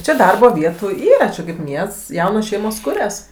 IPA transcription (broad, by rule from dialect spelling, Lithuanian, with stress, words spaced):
ˈt͡ʃʲɛ ˈdɐrboː ˈʋʲiɛtuː ˈiːrɐ t͡ʃʲɛ kɐɪp ˈmʲiɛsts ˈjɛʊnoːs ˈʃʲɛɪmoːs ˈkʊrʲɛs